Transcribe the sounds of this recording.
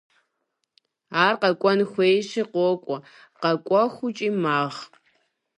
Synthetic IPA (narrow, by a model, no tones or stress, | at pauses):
aːrqɐkʷʼɔnxʷejɕiqʷoːkʷʼɔ | qɐkʷʼɔxʷʊt͡ʃʼiːmaːʁ